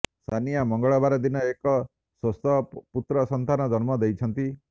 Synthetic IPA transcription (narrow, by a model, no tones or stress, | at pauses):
st̪ʰanijamɔŋɡɔɭɔbaɾɔd̪inɔekɔ | sost̪ʰɔput̪ɾɔsɔnt̪anɔd͡ʒɔnmɔd̪ejt͡ʃʰɔnt̪i